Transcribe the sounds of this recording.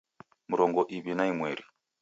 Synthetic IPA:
muɾɔŋɡɔʔiβinaimwɛɾi

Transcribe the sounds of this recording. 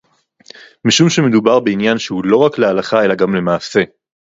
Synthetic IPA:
miʃumʃe̞me̞d̪ubaʁbe̞injanʃehulo̞ʁaklealaχae̞laɡamle̞maːse̞

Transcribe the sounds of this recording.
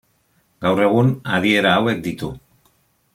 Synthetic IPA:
ɡawre̞ɣ̞unað̞ie̞ɾaːwe̞k̚d̪it̪u

